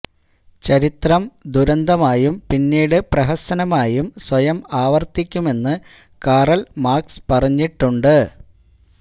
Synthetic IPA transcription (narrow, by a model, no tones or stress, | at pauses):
t͡ɕɐɾit̪rɐmd̪uɾɐnd̪ɐmaːjumpinːiːɽɨprɐɦɐsɐnɐmaːjumswɐjɐmaːʋɐrt̪ikʲːume̞nːɨ | kaːrɐlmaːkspɐrɐɲːiʈːuɳɖɨ